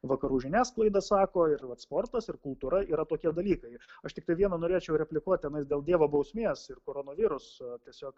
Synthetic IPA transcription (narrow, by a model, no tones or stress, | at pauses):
ʋɐkɐɾuːʒʲɪnʲæːsklˠɐɪd̪ɐsɑːkoːɪɾʋɐt̪spoːrt̪ɐsɪɾkʊlˠt̪uːɾɐiːɾɐt̪oːkʲiɛd̪ɐlʲiːkɐɪɐʃt̪ʲɪkt̪ɐɪʋʲiɛnɐnoːɾʲeːt͡ʃʲɛʊɾʲɛpʲlʲɪkuɔt̪̚ʲt̪ʲɛnɐɪsd̪ʲeːlˠdʲiɛʋoːbɐʊsʲmʲeːsɪrkoːɾoːnoːʋʲiːɾʊst̪ʲiɛsʲoːk